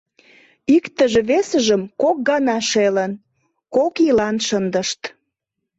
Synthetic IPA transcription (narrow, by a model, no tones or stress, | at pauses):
ikt̪əʒĕβesəʒəmkok̚ɡɑnɑʃelən | kokilɑnʃənd̪əʃt̪